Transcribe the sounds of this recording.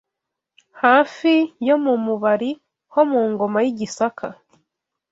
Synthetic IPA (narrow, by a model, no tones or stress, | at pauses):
haːfijo̞mumuβaɾi | ho̞muːŋɡo̞majiɟisakʰa